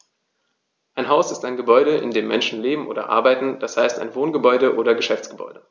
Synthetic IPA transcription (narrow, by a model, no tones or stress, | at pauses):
ʔaɪnɦaʊsɪstaɪnɡəbɔʏɾəʔɪ̰ndeːmːɛ̰nʃn̩leːbm̩ʔo̰ːdɐ̰ʔa̰ɐbaɪtn̩d̥ashaɪsta̰ɪnvoːnɡəbɔʏdəʔoːdɐɡəʃɛft͡sɡ̥əbɔ̰ʏdə